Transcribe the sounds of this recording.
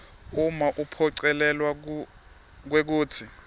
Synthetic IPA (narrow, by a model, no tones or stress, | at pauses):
umaʔupʰɔǀɛlɛlwa | k̬wek̬uːt͡sʰi